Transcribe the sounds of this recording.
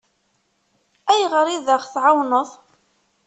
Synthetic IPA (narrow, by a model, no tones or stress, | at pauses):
æjʁəɾiðəχθʕawnəðˤ